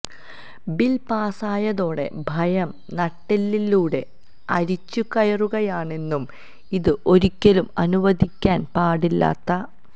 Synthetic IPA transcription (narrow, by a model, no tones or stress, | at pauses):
bilpaːsaːjɐðo̞ːɽe̞̰bʱɐjɐm | nɐʈːɐlːilːuːɽe̞ | ɐɾit͡ɕːukɐjɐruɣɐjaːɳe̞nːum | iðɨʔo̞ɾikʲːɐlumɐnuʋɐd̪ʱikʲːaːnpaːɽilːa̰ːt̪ːɐ